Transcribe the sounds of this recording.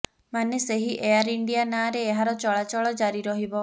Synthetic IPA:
maneseɦiʔeaɾiɳɖijanaːɾeːɦaɾɔt͡ʃɔɭat͡ʃɔɭɔd͡ʒaɾiɾɔɦibɔ

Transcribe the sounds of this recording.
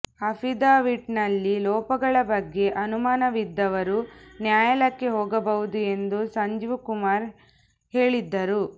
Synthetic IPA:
ɐpʰid̪aːʋiʈnɐlːilɔːpɐɡɐɭɐbɐɡːe̞ʔɐnumaːnɐʋid̪ːɐʋɐɾunjaːjɐlɐkːeɦɔːɡɐbɐɦud̪ue̞nd̪usɐɲd͡ʒiʋukumaːɾ | he̞ːɭid̪ːɐɾu

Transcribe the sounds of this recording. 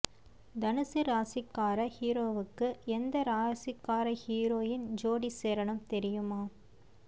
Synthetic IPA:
d̪ɐnɯsɯɾaːsɪkːaːɾɐhiːɾoːʋɯkːɯɛnd̪ɐɾaːsɪkːaːɾɐhiːɾoːjɪnd͡ʒoːɽiseːɾɐɳɯmt̪ɛɾɪjɯmaː

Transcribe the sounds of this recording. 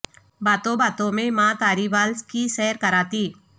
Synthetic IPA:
baːt̪õbaːt̪õmẽmãːt̪aːɾibaːlskisɛːɦɾkɐɾaːt̪iː

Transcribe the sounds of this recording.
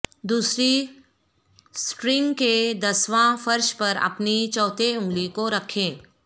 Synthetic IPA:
d̪uːsɾi | sʈɾɪ̃ŋɡked̪ɐsʋãfɐɾʃpɐɾɐ̰pnit͡ʃɔːt̪ʰeʊ̃ŋɡlikoɾɐkʰẽː

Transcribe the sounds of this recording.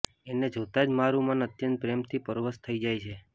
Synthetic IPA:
ened͡ʒot̪ad͡ʒmaɾumanət̪jə̃nt̪̚pɾemt̪ʰipəɾoʋəst̪ʰəid͡ʒajt͡ʃʰe

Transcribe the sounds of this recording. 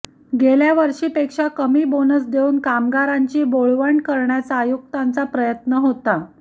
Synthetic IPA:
ɡeljaʋəɾʂiːpekʂakəmiːbonəsd̪euːnkamɡaɾaɲt͡ɕiːboɭʋaɳɖkəɾɳjat͡saːjuk̚t̪ant͡sapɾəjət̪nəɦot̪a

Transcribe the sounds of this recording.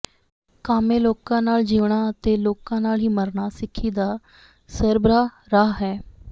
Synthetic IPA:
kaːmẽːloːkãːnaːld͡ʒiːʋɳ̃aːət̪eːloːkãːnaːlɦiːməɾnaːsɪkʰːiːd̪aː | səɾbɾaː | ɾaːɦɛː

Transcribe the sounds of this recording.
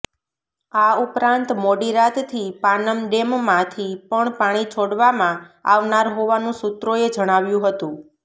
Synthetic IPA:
aupɾãnt̪moɽiɾat̪t̪ʰipanəmɖemmãt̪ʰipəɳpaɽ̃it͡ʃʰoɽʋamãa̰ʋnaɾɦoʋanũsut̪ɾoed͡ʒəɽ̃aʋjũɦət̪ũ

